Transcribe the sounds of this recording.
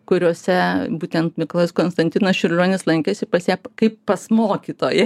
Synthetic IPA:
kʊɾʲoːsʲɛbuːt̪ʲɛnt̪mʲɪklˠoːskoːnst̪ɐnt̪ʲɪnɐsʃʲʊɾʲlʲoːnʲɪslˠɐŋʲkʲesʲɪpɐsʲjɛːpkɐɪppɐsmoːkʲiːt̪oːjɛ

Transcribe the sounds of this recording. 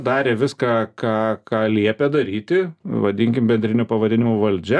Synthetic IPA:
d̪ɑːɾʲeːʋʲɪskɑkɑːkɑːlʲiɛpʲɛd̪ɐɾʲiːt̪ʲɪʋɐd̪ʲɪŋʲkʲɪmbʲɛnʲd̪ʲɾʲɪnʲuːpɐʋɐd̪ʲɪnʲɪmoʋɐlʲd͡ʒʲɛ

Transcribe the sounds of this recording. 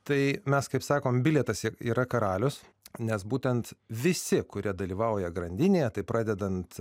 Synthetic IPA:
t̪ɐɪmʲɛskɐɪpsɑːkoːmbʲɪlʲɛt̪ɐsḭːɾɐkɐɾɑːlʲʊs | nʲɛsbuːt̪ʲɛnt̪ʋʲɪsʲɪkʊɾʲiɛd̪ɐlʲiːʋɐʊjɛɡɾɐnʲd̪ʲɪnʲeːjɛt̪ɐɪpɾɑːd̪ʲɛd̪ɐnt̪

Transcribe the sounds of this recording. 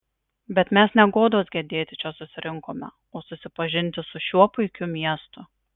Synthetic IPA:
bʲɛt̪mʲɛsnʲɛɡoːd̪oːsɡʲɛd̪ʲeːt̪ʲɪt͡ʃʲɛsʊsʲɪɾʲʔɪŋkoːmʲɛ̰ | oːsʊsʲɪpɐʒʲɪnʲt̪ʲɪsʊʃʲuɔpʊɪkʲʊmʲiɛst̪ʊ

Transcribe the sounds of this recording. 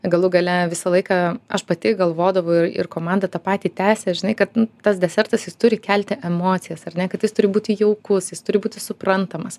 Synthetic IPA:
ɡɐlˠʊɡɐlʲɛʋʲɪsɐlˠɐɪkɐɐʃpɐt̪ʲɪɡɐlˠʋoːd̪ɐʋɐʊɪrɪ̰rkoːmɑnd̪ɐt̪ɑːpɑːt̪ʲiːt̪ʲæːsʲɛʒʲɪnɐɪkɐt̪nʊt̪ɐsd̪ʲɛsʲɛrt̪ɐsjɪst̪ʊɾʲɪkʲælʲt̪ʲɪʔɛmoːt̪sʲɪjɛsɐrʲnʲɛkɐt̪jɪst̪ʊɾʲɪbuːt̪ʲɪjɛʊkʊsjɪst̪ʊɾʲɪbuːt̪ʲɪsʊprɐnt̪ɐmɐs

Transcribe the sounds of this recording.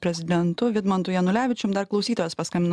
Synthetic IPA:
pʲɾʲɛzʲɪd̪ʲɛnt̪ʊʋʲɪd̪mɐnt̪ʊjɛnʊlʲæːʋʲɪt͡ʃʲʊmd̪ɐɾklˠɒʊsʲiːt̪ojɛːspɐskɐmʲɪn

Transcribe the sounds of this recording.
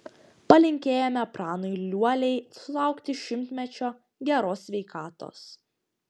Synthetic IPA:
pɐlʲɪŋʲkʲeːjɛmʲɛpɾɑːnɔɪlʲuɔlʲɛɪsʊlˠɑˑʊkt̪ʲɪʃʲɪmʲt̪ʲmʲɛt͡ʃʲoː | ɡʲɛɾoːsʲʋʲɛɪkɑːt̪o̰ːs

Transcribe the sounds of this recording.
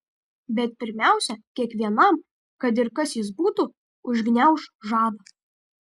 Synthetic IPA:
bʲɛt̪̚pʲɪɾʲmʲæˑʊsʲɛkʲiɛkʋʲiɛnɐm | kɐt̪̬ɪɾkɐsjɪs̬buːt̪ʊ | ʊʒʲɡnʲɛʊʃʒɑːd̪ɐ

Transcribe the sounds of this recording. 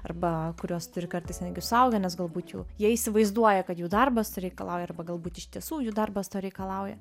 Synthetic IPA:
ɐ̰rbɐkʊɾʲuɔst̪ʊɾʲɪkɐrt̪ɐɪsnʲɛd̪ʲɡʲɪsʊɐʊɡʲɛnʲɛsɡɐlˠbuːt̪juːjiɛisʲɪʋɐɪzd̪uɔjɛkɐt̪juːd̪ɐrbɐsɾʲɛɪkɐlˠɑʊjɛɐrbɐɡɐlˠbuːt̪ʲɪʃt̪ʲiɛsuːjuːd̪ɐrbɐst̪ɐɾʲɛɪkɐlˠɐʊjɛ

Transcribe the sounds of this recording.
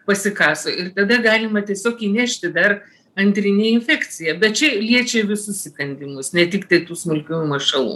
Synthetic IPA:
pɐsʲɪkɑːsoːɪrt̪ɐd̪ɐɡɑːlʲɪmɐt̪ʲiɛsʲoːkiːnʲæːʃʲt̪ʲɪd̪ɐr | ɐnʲt̪ʲɾʲɪnʲeːɪnʲfʲæːkt͡sʲɪjɛbʲɛt̪̚t͡ʃʲɛlʲiɛt͡ʃʲɛʋʲɪsʊsʲɪkɐnʲd̪ʲɪmʊsnʲɛt̪ʲɪkt̪ɐɪt̪uːsmʲʊlʲkʲuumɐʃɐlˠṵː

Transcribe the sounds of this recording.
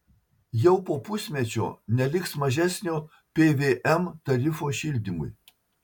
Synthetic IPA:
jɛʊpoːpʊsʲmʲɛt͡ʃʲo̰ːnʲɛlʲɪksmɐʒʲæsʲnʲoː | pʲeːʋʲeːʔɛmt̪ɐɾʲɪfoːʃʲilʲd̪ʲimʊ̰j

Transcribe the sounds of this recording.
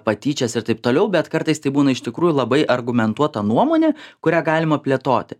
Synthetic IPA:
pɐt̪ʲiːt͡ʃʲɛsɪɾt̪ɐɪp̚t̪oːlʲɛʊbʲɛt̪kɐɾt̪ɐɪst̪ɐɪbuːnɐɪʃt̪ʲɪkɾuːjʊlˠɐbɐɪʔɐɾɡʊmʲɛnt̪uɔt̪ɐnuɔmoːnʲɛkʊɾʲæːɡɑːlʲɪmɐpʲlʲiɛt̪oːt̪ʲɪ

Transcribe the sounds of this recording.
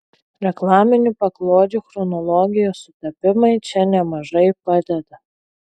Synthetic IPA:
ɾʲɛklˠɑːmʲɪnʲupɐklˠoːd̪ʲuxɾɔnɔlˠɔːɡʲɪjoːsʊt̪ɐpʲɪmɐɪt͡ʃʲɛnʲɛmɐʒɐɪpɑd̪ʲɛd̪ɐ

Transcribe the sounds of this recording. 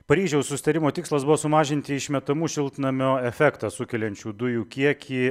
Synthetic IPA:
pɐɾʲiːʒʲɛʊssʊsʲɪ̥t̪ɐɾʲɪmoːt̪ʲɪkslˠɐsbʊʋoːsʊmɑːʒʲɪnʲt̪ʲɪɪʃʲmʲɛt̪ɐmuːʃʲɪlˠʲt̪ʲnɐmʲoːɛfʲɛkt̪ɐsʊkʲɛlʲɛnʲt͡ʃʲuːd̪ʊjuːkʲiɛkʲʰiː

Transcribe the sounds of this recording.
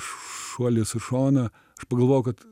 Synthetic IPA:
ʃuɔlʲɪsɪʃoːnɐ | ɐʃpɐɡɐlˠʋoːjʊkɐt̪

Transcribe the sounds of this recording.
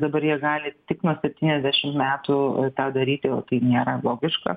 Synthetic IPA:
d̪ɐbɐɾjiɛɡɑːlʲɪt̪ʲɪknuɔsʲɛpʲt̪ʲiːnʲɛzʲd̪ʲæːʃʲɪmtmʲæːt̪ʊt̪ɑːd̪ɐɾʲiːt̪ʲɪjɛʊt̪ɐɪnʲeːɾɐlˠoːɡʲɪʃkɐ̰

